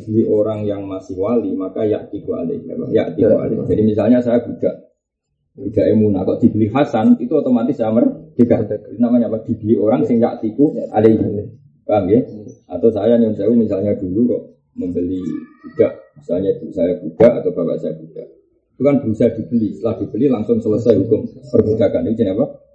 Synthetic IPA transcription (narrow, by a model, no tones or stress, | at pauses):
bəlioɾaŋjaŋmasɪhwalimakaja̰ʔt̪ikua̰lɪ̰ha̰pa̰ja̰ʔt̪ikua̰lɪ̰d͡ʒadimisalɲasajaɡ̥ud̥aʔ | ɡ̥ud̥aʔemuna̰k̪ɔʔd̪̥i̤b̥əliɦasanit̪uot̪omat̪ɪsajamərd̥əɡaʔnamaɲapad̪̥i̤bəlioɾaŋsɪŋjaʔt̪ikua̰le | kaŋɡɪa̰t̪awsajaɲonsajwimisalɲad̥uluɾɔ | məmbəliɡ̥ud̥aʔmisalɲadusajaɡ̥ud̥aʔat̪awb̥apa̰ʔsajaɡ̥ud̥aʔ | it̪ukanb̥əɾusajad̪̥i̤b̥əlist̪əlahd̥i̤b̥əlilaŋsʊŋsələsajɦukʊmpərb̥ud͡ʒ̥akanit̪ud͡ʒaniapa